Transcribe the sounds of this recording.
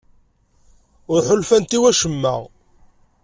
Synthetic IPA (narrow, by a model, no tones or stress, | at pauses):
ʊɾħʊlfænt̪iwæʃəmːæ̰ʁ